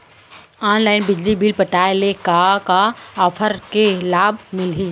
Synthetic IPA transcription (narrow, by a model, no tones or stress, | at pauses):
aːnlaːɪnbɪd͡ʒlibilpəʈaːjlekakaɔːpʰəɾkelaːbmɪlɦĩː